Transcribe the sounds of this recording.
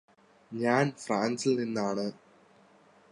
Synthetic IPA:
ɲaːnfraːnsilninːaːɳɨ

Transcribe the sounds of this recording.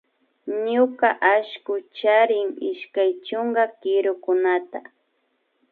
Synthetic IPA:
ɲʊkaʔaʃkʊt͡ʃaɾɪŋɪʃkajt͡ʃʊŋɡakɪɾʊkʊnat̪a

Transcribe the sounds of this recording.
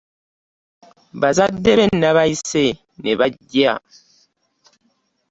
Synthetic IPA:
bazadebenaβaise | nɛbaɟja

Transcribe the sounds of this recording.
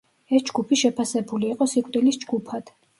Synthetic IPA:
ɛsd͡ʒɡupʰiʃɛpʰasɛbuliːqʼɔsikʼtd̪ʼilisd͡ʒɡupʰad̪̥

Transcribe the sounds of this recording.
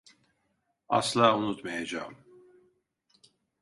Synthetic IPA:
ɑ̰slaːunut̪mejed͡ʒa̰ːm

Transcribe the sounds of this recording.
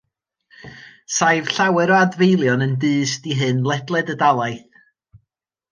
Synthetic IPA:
sajv̥ɬawɛɾɔadvejlˠjɔnənbɨːsdiɦɨnlˠɛdlˠɛdədalˠajθ

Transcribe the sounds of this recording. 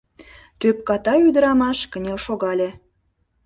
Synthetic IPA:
t̪øp̚kɑt̪ɑyd̪əɾɑmɑʃkə̆nʲelʃoɣɑlʲe

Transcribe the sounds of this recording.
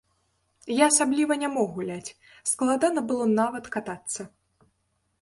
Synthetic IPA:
jaːsablʲivɐnʲamɔɣulʲat͡sʲ | sklˠad̪anɐbɨlˠɔnavɐt̪kat̪at̪sːɐ

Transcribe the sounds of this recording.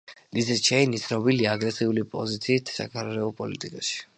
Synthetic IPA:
lizɛt͡ʃʰɛjnit̪sʰnɔbiliaːɡɾɛsiulipʼɔzit̪sʰiːt̪ʰsa̰kʰaɾɾɛɔpʼɔlit̪ʼikʼaʃi̥

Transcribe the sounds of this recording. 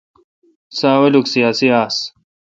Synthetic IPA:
saːwɐluksijaːsiaːs

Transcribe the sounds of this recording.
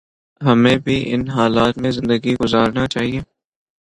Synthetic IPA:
ɦɐmẽbʱiʔɪ̰nɦaːlaːt̪mẽzɪ̃nd̪əɡiɡʊzaːɾnat͡ʃaːɦieː

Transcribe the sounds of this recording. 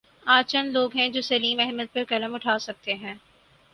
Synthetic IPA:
aːt͡ʃɐnloːɡɦɛ̃d͡ʒoːsɐliːmɛɦməd̪̚pɐɾkɐləmʊʈʰaːsɐk̚t̪eɦɛ̃ː

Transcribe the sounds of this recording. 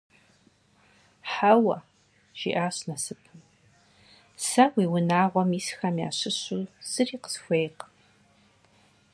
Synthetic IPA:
ħawɐ̰ | ʒ̥ḭʔaːɕnɐsɨpʰɨm | sɐwiːwʊnaːʁʷɔmisxɐmja̰ːɕɨɕuːz̥ɨriːqə̥sxʷejq

